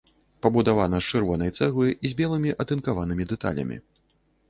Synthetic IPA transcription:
pɐbud̪avanɐst͡ʂɨrvɔnɐjt̪sɛɣlˠɨʔizʲbʲɛlˠɨmʲiʔɐt̪ɨnkavanɨmʲid̪ɛt̪a̰lʲɐ̰mʲḭ

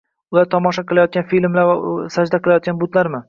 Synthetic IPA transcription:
ʊlˠaɾt̪ʰɒmɒʃaqɨlˠajɒt̪̚ɡʲanfilmlaɾvasad͡ʒd̪aqʰɨlˠajɒt̪̚ɡʲanbʊt̪laɾmɪ

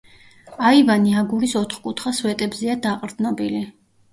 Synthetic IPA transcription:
aivaniaɡuɾisɔt̪ʰχkʼut̪ʰχaswɛt̪ʼɛbzɛad̪aqʼɾd̪nɔbili

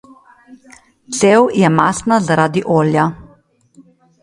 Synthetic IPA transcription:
t̪seːwjɛmaːsnazaɾaːd̪iʔoːlja

